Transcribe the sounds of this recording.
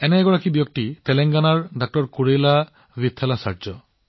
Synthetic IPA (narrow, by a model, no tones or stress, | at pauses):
ɛnɛɡɔɹakibjɔk̚titɛlɛŋɡanaɹdak̚tɔɹkuɹejla | vit̪ʰːɛlasa̰ɹzɔ